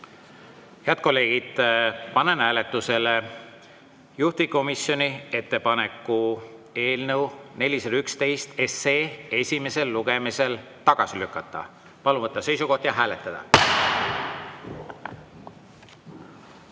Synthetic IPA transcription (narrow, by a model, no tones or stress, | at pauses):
heæt̪̚ko̞lːe̞ːɡ̥id̪̥pɑnenæːle̞t̪ːˑuse̞le | juht̪iko̞misjo̞nʲie̞t̪ːe̞pɑne̞kˑːue̞ːlnəwne̞lʲiselykst̪e̞jst̪ese̞ːe̞sʲime̞se̞lːuɡ̥e̞mise̞l | t̪ɑɡ̥ɑsilykːˑɑt̪ːˑɑ̰ | pɑluvɤt̪ˑːɑse̞jsuko̞ht̪jɑɦæːle̞t̪ːˑɑd̪̥ɑ̰